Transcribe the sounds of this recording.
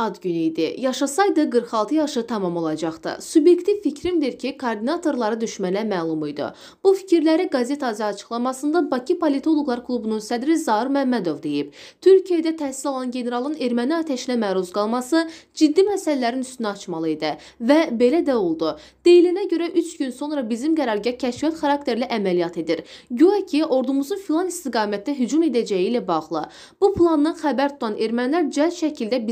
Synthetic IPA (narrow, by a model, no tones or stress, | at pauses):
ɑd̪ɟynijd̪ḭjɑʃɑsɑjd̪ɯɡɯɾχɑlˠt̪ʰɯjɑʃɯt̪ʰɑmɑmo̞lˠɑd͡ʒɑχt̪ɯ̰subje̞kt̪ʰivficʰɾimd̪iɾcʰikʰoɾd̪inɑt̪ʰo̞ɾlˠɑɾɯd̪yʃmænæmæːlˠumujd̪ɯ̰ | b̥ufi̥cʰiɾlæɾiɡɑze̞t̪ʰɑzijɑːt͡ʃʰɯ̥χlˠɑmɑsɯnd̪ɑbɑcʰipʰo̞lʲit̪ʰo̞lˠoɡlˠɑɾkʰlˠubununsæd̪ɾizɑiɾmæmːæd̪o̞vd̪e̞jib̥t̪ʰyɾcʰijed̪æt̪ʰæhsilolˠɑnɟe̞ne̞ɾɑlˠɯne̞ɾmæniɑt̪ʰæʃinæmæːɾuzɡɑlˠmɑsɯd͡ʒid̪ːimæsælælæɾinyst̪ynæɑt͡ʃmɑlˠɯed̪æ | væbe̞læd̪æo̞lˠd̪u | d̪̥e̞jilinæɟø̞ɾæʔyt͡ʃɟynso̞nɾɑbizimɡæɾɑɾɟɑcʰæʃfiɑt̪χɑɾɑk̚t̪ʰe̞ɾliʔæmælijɑt̪ʰe̞d̪iɾɟøæcʰiʔo̞ɾd̪umuzunfilˠɑnist̪iɡɑːmæt̪̚ʰd̪æɦyd͡ʒume̞d̪æd͡ʒæjilæbɑʁlˠɯ | b̥upʰlˠɑnːɯnχæbæɾt̪ʰu̥t̪ʰɑne̞ɾmænlæɾd͡ʒælʃæcʰild̪æbi